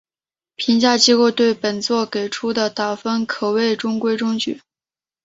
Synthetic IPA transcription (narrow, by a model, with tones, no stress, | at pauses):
pʰi˧˥ŋt͡ɕja˥˩t͡ɕi˥ko˥˧ʊt̪we˥˩ɪpə˨˩nt͡swɔ˥˩ke˨˩ɪʈ͡ʂʰu˥d̪ə˨t̪a˨˩fə˥nkʰɤ˨˩we˥˩ɪʈ͡ʂʊ˥ŋkwe˥ɪʈ͡ʂʊ˥ŋt͡ɕy̰˨˩˦